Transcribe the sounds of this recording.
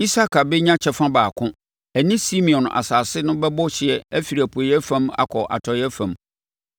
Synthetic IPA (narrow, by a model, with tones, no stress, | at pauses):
i˦sa˦kʰa˨bɛ˦ɲã˦t͡ɕʰɛ˦fã˦baː˨kʰʊ̃˦ | æ˨nĩ˦si˦mĩ˨ɔ̃˨na̰˨saː˨sɪ˦nʊ̃˦bɛ˦bɔ˦ɕɪ˨ɛ˨æ˦fi˨ɾi˨æ˨pʰu˨e˨jɛ˦fã˦ma̰˨kʰɔ˨ʔa̰˨tʰɔ˨jɛ˦fã˨m